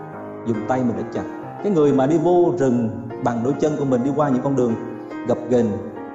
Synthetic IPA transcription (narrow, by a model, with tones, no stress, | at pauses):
zʊ˨˩ŋ͡mt̪a˧jmɨ˨˩ŋʔɗə̰˨˧˥t͡ɕa̰˨˩t̚ | kaː˨˦jŋɨ˨˩əjmaː˨˩ɗi˧vo˧zɨ˨˩ŋ | ɓa˨˩ŋɗo˧jt͡ɕə˧nku˧˩əmï˨˩ŋ̟ɗi˧kwaː˧ɲɨ̰˧˥ŋkɔ˧nɗɨ˨˩əŋ | ɣa˨˩p̚ɣe˨˩n